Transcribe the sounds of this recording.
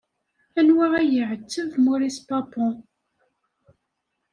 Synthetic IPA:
ænwaʁæjəʕət͡sːəvmʊɾispɑpɔ̃

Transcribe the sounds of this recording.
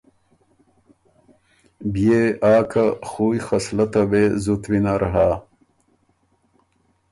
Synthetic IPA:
bjeaːkʰaxuːjxɐslɐt̪ɐbezut̪winaɾɐɦaː

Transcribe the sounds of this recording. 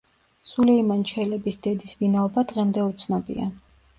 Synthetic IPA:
sulɛimant͡ʃʰɛlɛbisd̪̥ɛd̪isvinaɔbad̪ʁɛmd̪ɛut̪sʰnɔbḭa

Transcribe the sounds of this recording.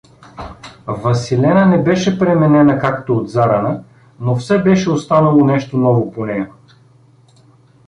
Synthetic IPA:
vɐsilɛnənɛbɛʃɛpɾɛmɛnɛnəkakt̪ood̪zaɾənə | nofsɛbɛʃɛost̪anɐlˠonɛʃt̪onɔvoponɛjɐ

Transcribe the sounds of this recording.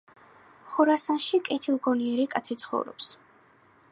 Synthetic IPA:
χɔɾasanʃikʼɛt̪ʰilˠɡɔniɛɾikʼat̪sʰit̪sʰχɔ̰vɾɔ̰ps

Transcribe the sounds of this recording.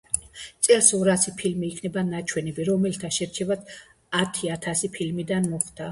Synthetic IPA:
t̪sʼɛlsɔɾasipʰilmiːkʰnɛbanat͡ʃʰwɛnɛbiɾɔmɛlt̪ʰaʃɛɾt͡ʃʰɛvad̪̥ | at̪ʰiat̪ʰasipʰilmid̪anmɔχd̪̥a

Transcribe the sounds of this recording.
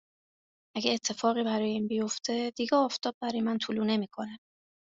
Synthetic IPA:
ʔæɡeːt̪ʰːe̞fɒːɣiːbæɾɒːjeiːnbijo̞ft̪ʰe̞d̪̥iɟɛɒːft̪ʰɒːb̚bæɾɒːjemænt̪ʰuːluːne̞miːkʰo̞ne

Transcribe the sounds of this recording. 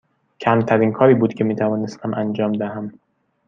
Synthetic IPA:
cʰæmt̪ʰæɾiːnkʰɒːɾiːbuːd̪cʰe̞miːt̪ʰævɒːnest̪ʰæmʔænd͡ʒɒːmd̪æɦæm

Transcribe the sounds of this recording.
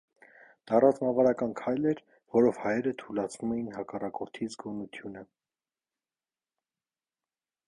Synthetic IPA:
d̪̥ɑrɑt͡smɑvɑɾɑkɑnkʰɑjlɛɾ | vɔɾɔvhɑjɛɾət̪ʰulɑt͡sʰvumɛjinɦɑkɑrɑkɔɾt̪ʰizɡɔnut̪ʰjunə

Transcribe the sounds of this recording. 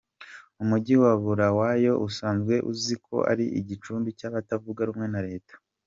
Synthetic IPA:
umuɟiwaβuɾawaːjo̞ʔusaːnzɡwe̞ʔuzikʰo̞̰ʔa̰ɾiʔiɟit͡ʃuːmbicaβatavuɡaɾumŋe̞naɾe̞ːtḁ

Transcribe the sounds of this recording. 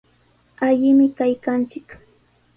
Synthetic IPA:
aʎɪmɪkajkant͡ʃɪk

